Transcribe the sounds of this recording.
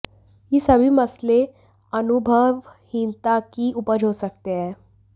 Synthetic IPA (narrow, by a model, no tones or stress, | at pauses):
jiːsəbʱiːməsle | ənubʱəʋhint̪akiːupəɾʱosək̚t̪eɛː